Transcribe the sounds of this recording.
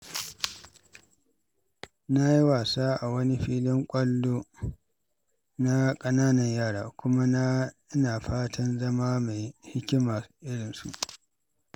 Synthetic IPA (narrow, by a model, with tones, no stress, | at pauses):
na˦ji˦waː˨saː˦ʔa˨wɐ˦ni˦ɸiː˦lɪ˦ŋkʷʼɐ˦lːoː˦ | na˦kʼɐ˦naː˦nɐ˨ɲjaː˦˨ɽaː˨kʷʊ˦ma˦na˦ | ɪ˦naː˨ɸaː˦tʰɐ˦nzɐ˦maː˦ma˨jhɪ˦kʲɪ˦maː˨ʔɪ˦ɽɪ˨nsṵ˨ʔ